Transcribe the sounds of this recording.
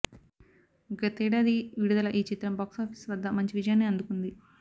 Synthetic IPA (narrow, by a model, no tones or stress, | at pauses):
ɡɐt̪iːɽaːd̪iʋiɽud̪ɐlɐʔiːt͡ʃit̪ɾɐmbaːksaːpʰi̥sʋɐd̪ːɐmɐɲt͡ʃiʋid͡ʒɐjaːnːeːɐnd̪ukund̪i